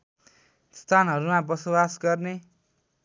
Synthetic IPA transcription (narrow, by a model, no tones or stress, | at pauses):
st̪ʰanɦʌɾumabʌsobasɡʌrne